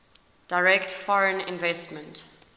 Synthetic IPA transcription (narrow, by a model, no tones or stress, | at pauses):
d̥aɪɹɛktfɔɹə̃nɪ̰̃nvɛstmə̃nt